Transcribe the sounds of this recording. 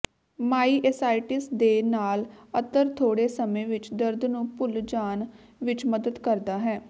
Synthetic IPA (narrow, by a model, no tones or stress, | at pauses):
maːiːʔɛsaːiʈɪsd̪eːnaːlət̪əɾt̪ʰoːɽeːsəmẽːʋɪt͡ʃd̪əɾd̪nũːpʊld͡ʒaːn | ʋɪt͡ʃməd̪əd̪kəɾd̪aːɦɛː